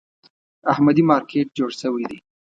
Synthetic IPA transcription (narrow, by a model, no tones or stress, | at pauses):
ahmad̪imɑɾkʰeʈ̚d͡ʒoɽʃəwid̪ḭ